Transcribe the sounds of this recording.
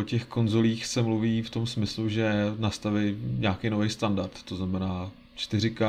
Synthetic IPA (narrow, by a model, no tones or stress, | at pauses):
ocɛxko̞nzo̞liːxsɛmluviːft̪o̞msmɪsluʒɛnast̪avɛjɲaːkejnovɛjst̪andaɾt̪ːoznamɛnaː | t͡ʃt̪ɪrɪka